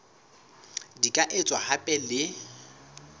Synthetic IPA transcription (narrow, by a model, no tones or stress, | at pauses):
dikʼaʔet͡sʼwahapʼɛlɪ